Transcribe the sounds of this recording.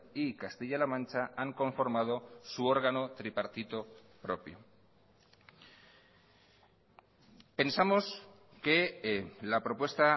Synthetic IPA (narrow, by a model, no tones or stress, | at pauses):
ikast̪iʎalamãnt͡ʃaaŋko̞ɱfo̞ɾmað̞o̞suo̞ɾɣano̞t̪ɾipaɾt̪it̪o | pɾo̞pjo | pe̞nsamo̞s | kelapɾo̞pwest̪a